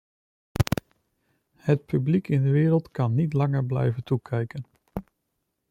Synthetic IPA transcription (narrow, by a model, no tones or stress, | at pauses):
hət̚pyblikɪndəʋɪːɾəlˠtkɑnːitlɑŋəɹblɛ̰jvəntukʰɛjkən